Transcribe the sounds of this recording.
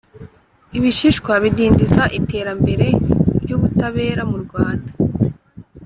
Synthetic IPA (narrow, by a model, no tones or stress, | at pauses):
iβiʃiʃkwaβidiːndisaʔite̞ːɾambe̞ɾe̞ɾɟuːβutaβe̞ːɾamuɾɡwaːnda